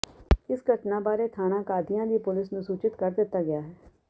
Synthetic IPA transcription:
ɪsɡəʈnãːbaːɾeːt̪ʰaːñãːkaːd̪ɪjãːd̪iːpʊlɪsnũsuːt͡ʃɪt̪kəɾd̪ɪt̪ːaːɡɪjaːɦɛː

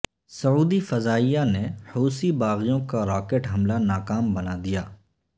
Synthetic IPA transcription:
səuːd̪ifəzaːijanehuːsibaːɣijõkaɾaːkeːʈɦɐmlanaːkaːmbənaːd̪ɪjaː

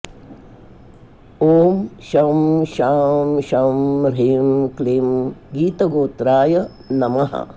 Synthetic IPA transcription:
oːmʃɐmʃaːmʃɐmɾemklimɡiːt̪ɐɡoːt̪ɾaːjɐ | nɐmɐɦɐ̰

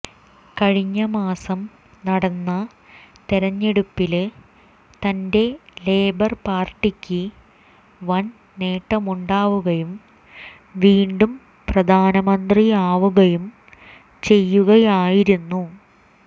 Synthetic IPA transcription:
kɐɻiɲːɐmaːsɐm | nɐɽɐnːɐ | t̪eɾɐɲːeɽupːil | t̪ɐnde̞le̞ːbɐrpaːrʈːikʲːɨ | ʋɐn | ne̞ːʈːɐmuɳɖaːʋuɣɐjum | ʋiːɳɖum | prɐd̪ʱaːnɐmɐnd̪riaːʋuɣɐjum | t͡ɕe̞jːuɣɐjaːjiɾunːu

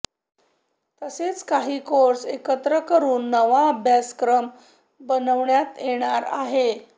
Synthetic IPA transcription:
t̪əset͡skaɦiːkoɾsekət̪ɾəkəɾuːnːəʋaəbʱjaskɾəm | bənəʋɳjat̪jeɽ̃aɾa̰ɦe

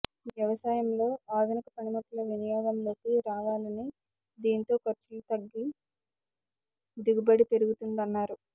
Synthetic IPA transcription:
ʋjɐʋɐsaːjɐmlo̞ːaːd̪ʱunikɐpɐnimukʰːulɐʋinijaːɡɐmlo̞ːkiɾaːʋaːlɐni | d̪iːnit̪o̞ːkɐɾt͡ʃulut̪ɐɡːi | d̪iɡubɐɽipe̞ɾuɡut̪und̪ɐnːaːɾu

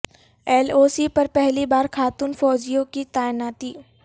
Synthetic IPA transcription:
ɛːloːsipɐɾpɛɦlibaːɾkʰaːt̪uːnfɔːd͡ʒijõkit̪aːɪnaːt̪iː

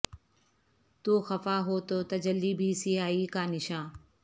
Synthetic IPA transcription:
t̪uːxəfaːɦoːt̪oːt̪ɐd͡ʒəlːiːbʱiːsiɦaːiːkaːnɪʃãː

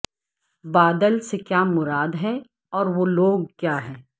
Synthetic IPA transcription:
baːd̪əlsekjaːmʊɾaːd̪ɦɛ | ɔːɾʋoːloːɡ̚kjaːɦɛː

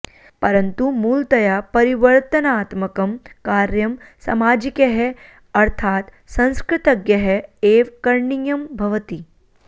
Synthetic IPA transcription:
pɐɾɐnt̪umuːlt̪ɐjapɐɾiʋɐɾt̪ɐnaːt̪mɐkɐmkaːɾjɐmsɐ̰maːd͡ʒikeɦɛ | ɐɾt̪ʰaːt̪ | sɐ̃ñskɾɪt̪ɐɡjɐɦɛeːʋkɐɾɳijɐmbʱɐʋət̪i

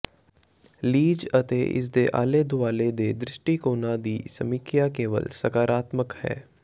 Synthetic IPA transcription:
liːd͡ʒət̪ḛʔɪ̰s̬d̪eːʔa̰ːled̪ʊaːled̪eːd̪ɾɪʃʈiːkoːnãd̪iːsə̰mikjakeːʋə̰lsəkaːɾaːt̪məkhɛ̰ː

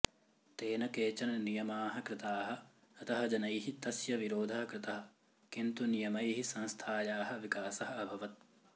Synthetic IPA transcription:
t̪eːnɐkeːt͡ʃɐnnijɐmaːɦɐkɾɪt̪aːɦɐ̆ | ɐt̪ɐɦɐd͡ʒɐnɐjɦit̪ɐsjɐʋiɾoːd̪ʱɐɦɐkɾɪt̪ɐɦɐ̆ | kint̪unijɐmɐjɦisɐ̃nst̪ʰaːjaːɦɐʋikaːsɐɦɐ̆ɐbʱɐʋɐt̪̚

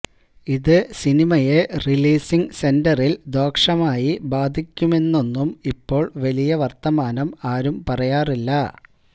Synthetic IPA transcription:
iðɨsinimɐje̞riliːsiŋse̞ndɐrild̪o̞ːkʂɐmaːjibaːd̪ʱikʲːume̞nːo̞nːumipːo̞ːɭʋɐlijɐʋɐrt̪ɐmaːnɐmaːɾumpɐrɐjaːrilːɐ

